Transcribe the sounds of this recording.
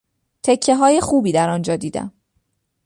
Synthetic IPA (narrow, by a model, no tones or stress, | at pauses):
t̪ʰe̞cʰːe̞ɦɒːje̞xuːbiːd̪æɾɒnd͡ʒɒːd̪iːd̪æ̰m